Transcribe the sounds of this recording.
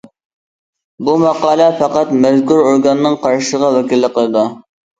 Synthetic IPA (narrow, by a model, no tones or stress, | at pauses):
bumɑqɑːlˠɛfɑqɑt̪mɛzkuɾoɾɡɑnːɨŋqʰɑɾʃəʁɑwɛkʲilːɪqəlˠɨd̪u